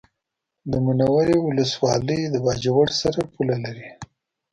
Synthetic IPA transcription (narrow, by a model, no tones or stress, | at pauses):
d̪əmunawaɾewʊləswɑləjd̪əbɑd͡ʒawaɽsaɾapulalaɾi